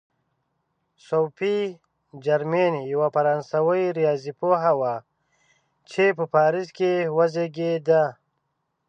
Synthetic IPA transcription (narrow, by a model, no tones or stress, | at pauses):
sowpi | d͡ʒaɾmenijawapɐɾansawəjɾijaːzipoɦawa | t͡ʃʰepəpaːɾiskewazeɡed̪a